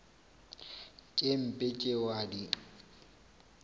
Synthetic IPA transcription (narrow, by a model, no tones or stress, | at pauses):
kʼem̩pʼet͡ʃʼewadi